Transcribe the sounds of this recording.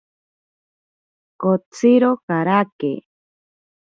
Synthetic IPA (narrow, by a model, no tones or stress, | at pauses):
kot͡siɾokaɾakḛ